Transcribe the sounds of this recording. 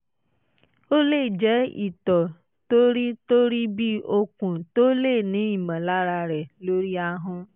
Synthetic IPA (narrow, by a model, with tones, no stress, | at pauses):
o˦le˦˨d͡ʒɛ˨˦ḭ˨t̪ɔ˨ | to˦ɾi˦to˦ɾi˦bi˦o˦kũ˨to˦le˦˨nĩ˨˦i˨mɛ̃˨la˦ɾa˧ɾɛ˨lo˦ɾi˦a˧ɦɔ̃˦